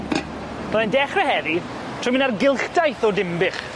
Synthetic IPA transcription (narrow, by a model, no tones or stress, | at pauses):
mɛlˠandɛχrɛhɛði | tʰrʊjmɪ̃narɡɪlˠɬdajθɔdɪmbɪχ